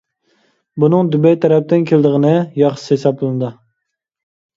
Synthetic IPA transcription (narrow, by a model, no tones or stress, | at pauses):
bunɨŋd̪ybɛjt̪ʰɛɾɛp̚t̪ɪnkʲʰeld̪əʁənɨjɑχʃshesɑp̚llɨnɨd̪ɨ